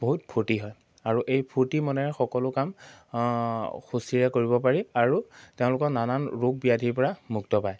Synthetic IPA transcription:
b̥oɦut̚pʰuɹtiɦɔj | aɹuʔejpʰuɹtimɔnɛɹɛxɔkɔlʊkam | xusiɹɛkoɹibɔpaɹiaɹuteʊ̃lʊkɔnananɹuɡ̚bijadʱipɔɹamuktɔpaj

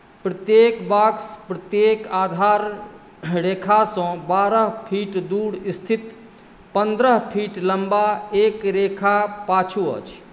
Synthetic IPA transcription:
pɾət̪jeːkbaːkspɾət̪jeːkaːd̪ʱaːɾ | ɾeːkʰasɔ̃ːbaːɾəɦpʰiːʈd̪uːɽɪst̪ʰɪt̪ | pə̃nd̪ɾəɦpʰiːʈləmbaeːkɾeːkʰapaːt͡ʃʰuə̰ːt͡ʃʰ

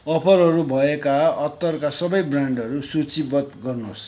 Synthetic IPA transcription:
ʌpʰʌrɦʌɾubʱʌekaʌt̪ːʌrkasʌbʌjbraɳɖʌɾusut͡sibʌt̪ɡʌrnos

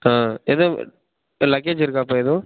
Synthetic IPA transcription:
aːɛðo | lɐkːeːd͡ʒɪɾɯkːaːpːoɛðõː

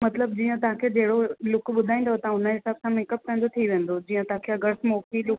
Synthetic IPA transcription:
mɐt̪ləb̚d͡ʑiːə̃t̪ɐãkʰed͡ʑeɦɪɽolʊkɓʊd̪ʱaːĩnd̪ot̪ɐãʊnəɦɪsaːbsãmɪ̃kəp̚t̪ʰə̃ːɲ̆d͡ʑot̪ʰiʋẽːn̆d̪od͡ʑiːə̃t̪ãkʰeɐɡəɾsmokilʊk

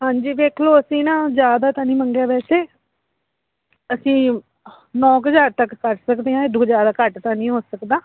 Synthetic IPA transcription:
ɦãːɲd͡ʒiːʋeːkʰloːəsĩːnãːzjaːd̪aːt̪ãːnĩːməŋɡjaːʋɛːseː | əsĩː | nɔ̃ːkəzaːɾt̪əkkəʈsəkd̪eːãːɪd̪ũːd͡ʒjaːd̪aːkəʈt̪ãːnĩːɦoːsəkd̪ãː

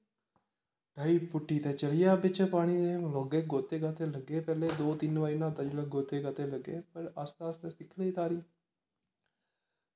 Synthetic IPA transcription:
ɖaiːpʊʈːiːt̪et͡ʃəlɪjaːbɪt͡ʃəpaːɽ̃id̪emloːɡeɡoːt̪eːɡaːt̪eləɡeːpɛːleːd̪oːt̪inʋaːinãːd̪ɐd͡ʒleɡoːt̪eːɡaːt̪eləɡeːpəɾaːst̪aːst̪esɪkʰleɪt̪aːɾiː

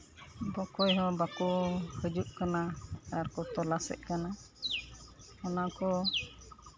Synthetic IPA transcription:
bɔkɔjɦɔ̃bakɔhəd͡ʒuʔ̚kanaaɾkɔt̪ɔlasɛ̰ʔ̚kana | ɔnakɔ

